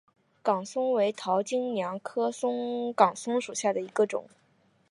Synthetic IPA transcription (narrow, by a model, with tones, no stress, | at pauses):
kɑ˨˩ŋsʊ˥ŋwe˧˥ɪt̪ʰɑ˧˥ʊt͡ɕi˥ŋnjɑ˧˥ŋkʰɤ˥sʊ˥ŋkɑ˨˩ŋsʊ˥ŋʂu˨˩ɕja˥˩d̪ə˩i˧˥ɡə˧ʈ͡ʂʊ̰˨˩˦ŋ